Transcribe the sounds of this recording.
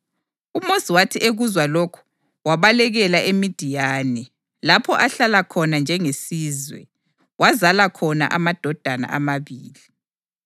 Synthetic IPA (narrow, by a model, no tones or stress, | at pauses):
umosiwatʰiʔeɣuzwalokʰu̥ | waβalɛɣɛlaʔemid̥ʱijaːnɛ | lapʰɔʔaɬalakʰɔnand͡ʒʱɛŋesiːzwɛ̰ | wazalakʰɔna̰ʔamad̥ʱɔd̥ʱana̰ʔamaβiːli